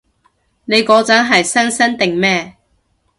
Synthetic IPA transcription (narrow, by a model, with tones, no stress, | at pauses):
ne˨˧jkɔː˨˥t͡sɐ˨˥nɦɐ˨jsɐ˥nsɐ˥nt̪ɪ˨ŋmɛː˥